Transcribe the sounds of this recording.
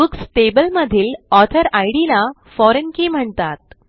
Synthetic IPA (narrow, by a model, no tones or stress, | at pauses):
uksʈebəlməd̪ʱiːlɔt̪ʰəɾajɽila | fɔɾənkiːm̤əɳt̪at̪̚